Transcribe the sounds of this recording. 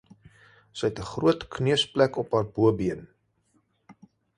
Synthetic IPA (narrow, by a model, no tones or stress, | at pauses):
səjɛtəχruətkniəsplækɔpɦæːrbuəbiən